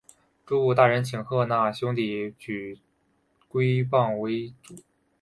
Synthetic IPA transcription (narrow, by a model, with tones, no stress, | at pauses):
ʈ͡ʂu˥u˥˩t̪a˥˩ɻə˧˥nt͡ɕʰi˨˩ŋxɤ˥˧na˥˩ɕjʊ˥ŋt̪i˨˩t͡ɕy˨˩ | kwe˥ɪpɑ˥˩ŋwe˧˥ɪʈ͡ʂu˨˩˦